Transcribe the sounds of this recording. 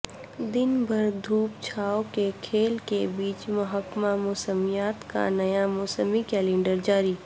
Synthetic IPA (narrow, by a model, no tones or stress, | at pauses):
d̪ɪnbʱɐɾd̪ʱuːpt͡ʃʰaːokekʰeːlkebiːt͡ʃmɐɦəkmamʊːsəmijaːt̪ka̰nɐjamʊːsəmikɛːlẽːɳɖəɾd͡ʒaːɾiː